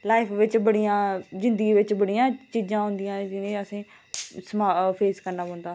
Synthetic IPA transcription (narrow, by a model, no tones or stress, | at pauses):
laːɪpʰʋɪt͡ʃbəɽijãːzɪ̃nd̪əɡiːʋɪt͡ʃbəɽijãːt͡ʃiːd͡ʒãːɦʊ̃nd̪ɪjãːd͡ʒɪnẽːəsẽː | səmaːpʰeːskəɾnaːbɔ̃ːnd̪aː